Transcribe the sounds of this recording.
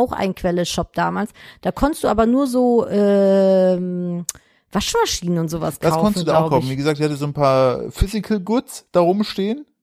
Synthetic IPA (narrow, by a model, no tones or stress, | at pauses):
aʊxʔa̰ɪnkʰv̥ɛləʃɔp̚d̥aːmaːlsd̥aːkʰɔntəstd̥uːʔaːbɐnuːɐzoːʔɛː | m | v̥aʃmaʃiːnənʊntz̥oːva̰sɡkʰdaaʊkfɔntsd̥udaaʊʊkʰaʊfn̩viːɡəzaːk̚tɪçhatəzoːnpʰaːɐfʏzɪkʰl̩ɡʊt͡sd̥aːʁʊmʃteːən